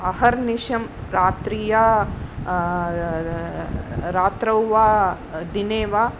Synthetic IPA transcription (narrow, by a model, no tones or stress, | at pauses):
ɐhɐɾniʃɐmɾaːt̪ɾiːja | ɾaːt̪ɾɐwʋaː | d̪ineːʋaː